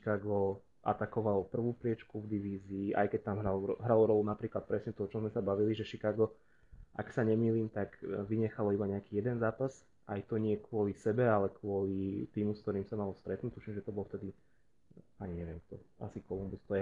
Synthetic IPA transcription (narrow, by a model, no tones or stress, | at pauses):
ikaːɡɔ | ʔa̰t̪akɔʋalɔpr̩ʋuːpɾɪɛt͡ʃkuvd̪iʋiːziːʔa̰jkɛc̚t̪amɦɾalɦɾalɔɾɔlunapɾiːklat̪̚pɾɛsɲɛt̪ɔɔt͡ʃɔmzmɛsabaʋiliʒɛʃikaːɡɔ | ʔa̰ksaɲɛmiːliːmt̪aɡʋiɲɛxalɔibaɲɛakiːjɛd̪ɛnzaːpas | ʔajt̪ɔɲɪɛkʊɔlisɛbɛalɛkwʊɔlit̪iːmuskt̪ɔɾiːmsamalɔst̪ɾɛt̪nuːct̪uʃimʒɛt̪ɔbɔlft̪ɛd̪i | aɲiɲɛʋɪɛmk̚t̪ɔa̰sikɔlumbust̪ɔɛ